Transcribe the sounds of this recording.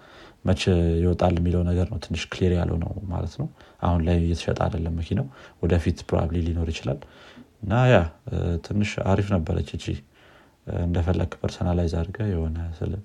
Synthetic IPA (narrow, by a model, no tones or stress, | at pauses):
mət͡ʃɛjɪwɔt̪ʼalːɛmːiləwnəɡəɾnəwt̪ʰɨnːɨʃkʰleɾja̰lːə̰wnə̰wma̰lət̪nəwʔahunlajjɛt̪ʰə̥ʃɛ̰t̪ʼa̰d̪əlːəmːəkʰinəwwɔd̪əfit̪pʰɾo̰a̰blilino̞ɾjɪt͡ʃɪlalɨnːajat̪ʰɨnːɨʃa̰ɾifnəbːəɾə̰t͡ʃːɨd͡ʒḭ | ɨnd̪əfəlːə̰ɡpʰəɾsonalajzaɾɡəjɛho̞nəsɨ̰l